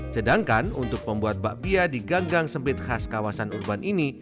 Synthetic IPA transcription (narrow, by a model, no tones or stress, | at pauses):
sədaŋkanunt̪ʊk̚məmbuat̪̚baʔbiadiɡaŋɡaŋsəmpɪt̪̚haskawasanurbanʔini